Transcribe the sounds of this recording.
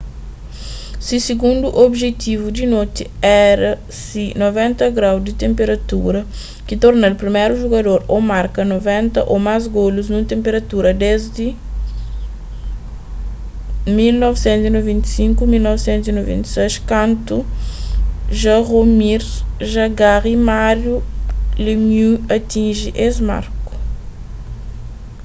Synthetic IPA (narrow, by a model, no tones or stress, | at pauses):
sisiɡũnd̪uʔobʒet̪ivud̪inot̪iɛɾɐ | sinovɛ̃nt̪ɐɡɾawd̪it̪ẽmpeɾɐt̪uɾɐ | kit̪oɾnalpɾimeɾuʒuɡɐd̪oɾomaɾkɐnovɛ̃nt̪ɐʔomazɡoluznũt̪ẽmpeɾɐt̪uɾɐd̪ezd̪i | milnɔvsẽnt̪zinovẽnt̪i̥sĩŋkumilnɔvsẽnt̪uzinovḛ̃nt̪i̥sejʃkãnt̪u | ʒɐʁomiɾzʒɐɡaʁimaɾjulimjuɐt̪ĩʒiʔezma̰ɾku̥